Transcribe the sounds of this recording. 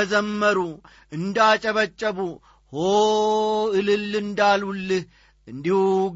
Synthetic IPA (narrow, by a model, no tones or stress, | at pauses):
əzəmːəɾu | ɨnd̪at͡ʃʼɐβət͡ʃʼːəbu | ho | ɨlɨlːɨnd̪alulːɨh | ɨnd̪ihuɡ